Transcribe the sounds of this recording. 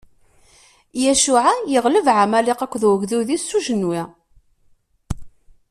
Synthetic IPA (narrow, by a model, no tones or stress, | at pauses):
jæʃuʕajəʁləvʕamælɪqækʷːðwəɣðuðisːuʒənːwi